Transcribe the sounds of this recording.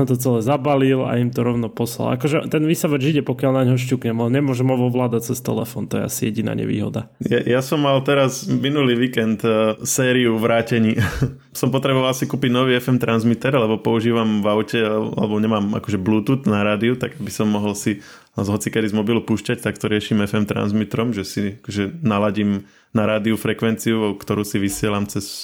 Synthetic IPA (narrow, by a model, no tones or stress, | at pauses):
ɔmt̪ɔt͡sɛlɛːzabalila̰imt̪ɔɾɔʊnɔpɔsla̰la̰kɔʒɛt̪ɛnʋiːsaʋɛʒiɟɛpɔkɪalnaɲɦɔʃ̬cuːkɲɛmɔɲɛmʊɔʒɛmɔʋɔʋlaːd̪ac̚t͡sɛst̪ɛ̰lɛfɔːnt̪ɔjɛ̰a̰sijɛɟina̰ɲɛ̰ʋḭːɦɔ̰d̪ajajasɔmːalt̪ɛɾazminuliːʋiːkɛnt̪sɛːɾiuʋɾaːcɛɲiː | sɔmpɔt̪ɾɛbɔʋalsikuːpiɟnɔʋiːɛfɛmt̪ɾanzmit̪ɛɾlɛbɔpɔuʒiːʋamvaʊcɛa̰lɛ̰bɔɲɛmaːma̰kɔʒɛbluːt̪ut̪naɾaːd̪iut̪aɡabisɔmːɔɦɔlsi | zɦɔt͡sikɛd̪izmɔbilupuːʃcact̪akt̪ɔɾɪɛʃimɛfɛmt̪ɾa̰nzmit̪ɾɔmʒɛsiakɔʒɛnalaɟim | naɾaːd̪iufɾɛkʋɛnt͡siukt̪ɔɾuːsiʋisɪɛlamt͡sɛs